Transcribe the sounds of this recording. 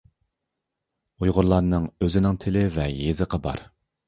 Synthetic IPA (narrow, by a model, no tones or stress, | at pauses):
ujʁʊɾlˠɑɾnɨŋøzɪnɪŋt̪ʰɪlɪvɛjezɨqʰɑbɑ̰ɾ